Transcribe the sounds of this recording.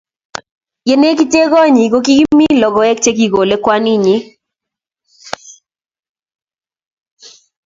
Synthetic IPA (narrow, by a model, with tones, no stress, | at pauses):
je˨ne˦k̬i˦te˦ɣɔ˦ɲi˨ɡo˦ki˦ɡmi˦lɔ˨ɡɔ˦ɛ˦k̚t͡ʃe˦ki˦˨ɡo˨le˦kwa˦ni˦ɲɪ˦